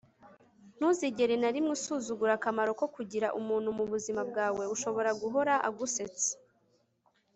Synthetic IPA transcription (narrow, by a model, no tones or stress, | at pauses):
n̥huziɟe̞ɾenaɾimŋisuːzuɡuɾakamaɾo̞ko̞kuɟiɾaʔumuːn̥humuβuzimab̚ɡaːwe̞uʃo̞βo̞ɾaɡuɦo̞ɾaʔa̰ɡuse̞t͡se̥